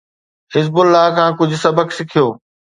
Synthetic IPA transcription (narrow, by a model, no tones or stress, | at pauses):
hɪzbʊlːaːɦkʰãːkʊd͡ʑʱʊ̆sɐbəksɪkʰijoː